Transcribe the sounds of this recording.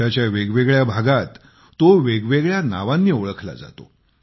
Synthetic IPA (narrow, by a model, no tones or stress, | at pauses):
at͡ɕjaʋeɡʋeɡɭjabʱaɡat̪ː | oʋeɡʋeɡɭjana̰ʋãnːiːoɭəkʰla̰d͡za̰t̪o̰